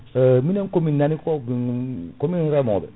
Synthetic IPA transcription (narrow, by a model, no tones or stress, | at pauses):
mĩnɛ̃ŋkomĩnnanikɔbikomĩɾɛmɔbɛ̰